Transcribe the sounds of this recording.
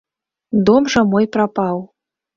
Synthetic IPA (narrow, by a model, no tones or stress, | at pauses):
d̪omʐɐmojpɾapɑw